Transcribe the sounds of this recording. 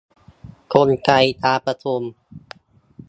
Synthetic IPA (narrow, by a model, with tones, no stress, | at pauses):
kʰo˧nka˧jt̪aː˧pɾa˧t̪ʰo˧m